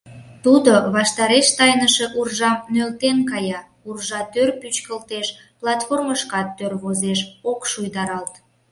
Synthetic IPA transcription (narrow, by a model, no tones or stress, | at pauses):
t̪ud̪oβɑʃt̪ɑɾeʃt̪ɑjnəʃe̽ʔurʒɑmnølt̪enkɑjɑ | urʒɑt̪ørpyt͡ɕkəlt̪eʃ | plɑt̪forməʃkɑt̪ːørβozeʃokʃujd̪ɑɾɑlt̪